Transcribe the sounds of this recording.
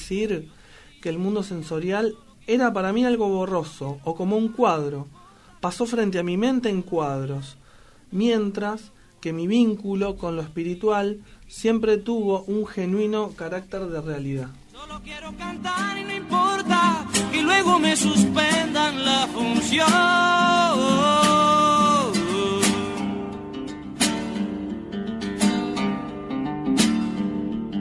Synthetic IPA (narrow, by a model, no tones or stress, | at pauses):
siɾ | keːlmũnd̪o̞se̞nso̞ɾjal | e̞ɾapaɾamialɣo̞βoro̞so̞ːko̞mouŋkwað̞ɾo̞ | paso̞fɾe̞nt̪̬eamimẽ̞nt̪e̞ːŋkwað̞ɾo̞s | mje̞nt̪ɾas | ke̞miβiŋkulo̞ko̞nloespiɾit̪walsje̞mpɾe̞t̪uβo̞ʔuŋxe̞nwino̞kaɾak̚t̪e̞ɾðe̞realiðasolokjeɾokant̪aɾinoimpoɾt̪akelwe̞ɣo̞me̞suspend̪anlafunsjo